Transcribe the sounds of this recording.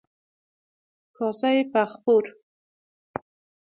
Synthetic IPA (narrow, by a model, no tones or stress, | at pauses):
kɑsajepaxpoɾ